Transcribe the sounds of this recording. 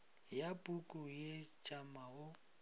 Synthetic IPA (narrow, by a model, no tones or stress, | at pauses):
japʼukʼʊjet͡ʃʼamaʊ